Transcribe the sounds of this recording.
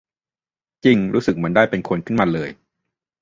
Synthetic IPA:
t͡ɕi˧ŋɾuː˦˥sɯ˨˩k̚mɯ˦˥əndaː˥˩jpe˧nkʰo˧nkʰɯ˥˩maː˧lɤː˧j

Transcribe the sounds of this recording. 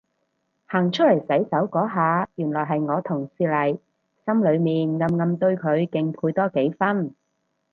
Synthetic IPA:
haː˨˩ŋt͡ʃʰɵ˥t̚lɐ˨˩jsɐ˨˥jsɐ˨˥wkɔː˨˥ɦaː˨˧jyː˨˩nlɔː˨˩ɦɐ˨jŋɔː˨˧t̪ʰʊ˨˩ŋsiː˧lɐ˨˩j | sɐ˥mlɵ˨˧ɥmiː˨nŋɐ˧mŋɐ˧mt̪ɵ˧ɥkʰɵ˨˧ɥkɪ˨˧ŋpʰuː˧jt̪ɔː˥ke˨˥jfɐ˥n

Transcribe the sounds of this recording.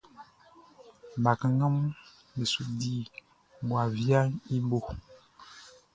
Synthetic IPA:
ba˨kə˨ŋə˦m | mi˨su˨di˦ | ɡwa˨vja˦i˦bo˦˨

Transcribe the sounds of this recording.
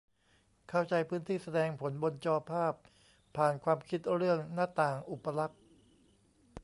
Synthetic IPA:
kʰa˥˩wt͡ɕa˧jpʰɯː˦˥nt̪ʰiː˥˩sa˧dɛː˧ŋpʰo˩˦nbo˧nt͡ɕɔː˧pʰaː˥˩p̚ʰː | aː˨˩nkʰwaː˧mkʰi˦˥t̪̚ɾɯ˥˩əŋna˦˥t̪aː˨˩ŋʔu˨˩pːa˧la˦˥k̚

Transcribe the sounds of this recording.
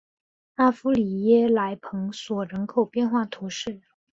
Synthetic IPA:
a˥˩fu˥li˨˩jɛ˥la˧˥ɪpʰɤ˧˥ŋswɔ˨˩ɻə˧˥nkʰo˨˩ʊpjɛ˥˧nxwa˥˩t̪ʰu˧˥ʂɻ̩˥˩

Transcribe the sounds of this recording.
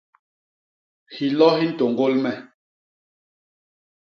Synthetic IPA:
hi˨lɔ˦hi˦n̩˦˨to˨ŋ˨ɡo˦lmɛ˨

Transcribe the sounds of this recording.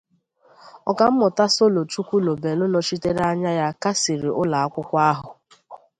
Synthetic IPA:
ɔ˨ka˨m̩˦mʊ˨ta˦so˦lo˨tu˦kʷu˦lo˨be˨lʊ˦no˨t͡ʃi˦te˦ɾa˦ɲa˦ja˦ka˦si˨ɾi˨ʔʊ˦la˨a˦kʷʊ˦kʷa˦ɦʊ˨

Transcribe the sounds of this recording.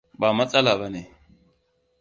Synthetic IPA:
ɓa˨ma˦t͡sʼa˦la˨ba˨ne˨

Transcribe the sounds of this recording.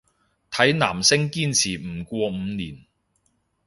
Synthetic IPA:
t̪ʰɐ˨˥jna̰ː˨˩msɪ˥ŋkiː˥nt͡sʰiː˨˩m̩˨˩kʷɔː˧m̩˨˧niː˨˩n

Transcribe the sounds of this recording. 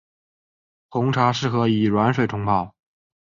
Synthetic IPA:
xʰʊ˧˥ŋʈ͡ʂʰa˧˥ʂɻ̩˥˩xɤ˧˥i˨˩ɻwa˧˥nʂwe˨˩ɪt̪ʰʊ˧˥ŋpʰɑ˥˩ʊ

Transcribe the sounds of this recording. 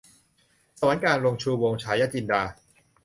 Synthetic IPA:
sa˧wa˨˦nkaː˧nɾo˧ŋt͡ɕʰuː˧wo˧ŋt͡ɕʰaː˧˥jːaː˦˥t͡ɕi˧ndaː˧

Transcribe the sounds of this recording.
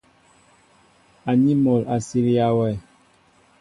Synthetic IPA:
a˨ɲi˦mɔ˨la˨si˦ɾi˦a˦wɛ˦˨

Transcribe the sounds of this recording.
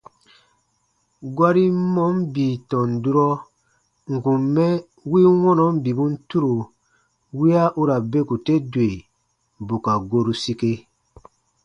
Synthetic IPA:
ɡwa˦ɾi˦mɔ˦mbi˨tɔ̃˨n˨du˦ɾɔ˦ | ŋ̩˨kũ˨mːɛ˦ | wi˦wɔ̃˦nɔ˨˦m˦bi˨bu˦n̩˦tu˦ɾo˨ | wi˦a˦ʔu˦ɾa˨be˦ku˨te˦dwe˨ | bu˨ka˨ɡo˦ɾu˨si˦ke˦

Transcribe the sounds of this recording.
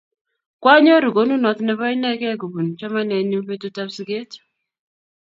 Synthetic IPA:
kwa˦ɲɔ˦ɾu˨ɡo˦nu˦nɔ˨t̪nɛ˦βɔ˦ɪ˦nɛ˦kɛ˦ɡo˨bu˨n˨t͡ʃɔ˦ma˦nɛ˨nu˦pe˦tu˦ta˦psi˦ɡe˦t

